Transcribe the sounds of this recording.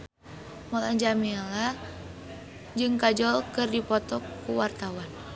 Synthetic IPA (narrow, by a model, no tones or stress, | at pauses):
mɔlaɲd͡ʒamɛla | d͡ʒɨŋkad͡ʒɔlkɨrdipɔt̪ɔkːuwart̪awan